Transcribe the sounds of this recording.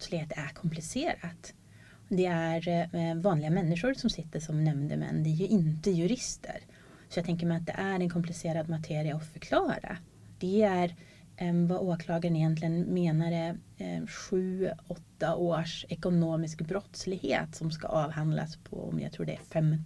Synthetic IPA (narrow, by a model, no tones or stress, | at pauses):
t̪slɪheːt̪ækʰɔmplɪseːɾat̪ | d̪ɛæɾvɑːnlɪɡamɛnːɪʂʊɾsɔmsɪt̪ːəʂɔmnɛmnd̪əmɛ̰nːd̪ɛæɾjɵʔɪnt̪əjɵɾɪst̪ʰə̰ɾ | sɔjaɡt̪ʰɛŋk̬əɾmɛjat̪̚d̪ɛ̰ʔæɾɛnkʰɔmplɪseːɾad̪mat̪ʰeːɾɪaɔfœɾkʰlɑːɾa̰ | d̪̥ɛæɾ | vaʔoːkʰlɑːɡaɾənɪjɛnt̪lɪɡənmeːnaɾə | ɧʉ̟ːɔt̪ːaʔoːʂɛkʊnoːmɪskbɾɔt̪slɪɡhḛːt̪sɔmska̰ʔɑːvhand̪la̰spʰɔ̰ɔ̰mja̰ɡt̪ʰɾṵːɖɛ̰æ̰fɛmː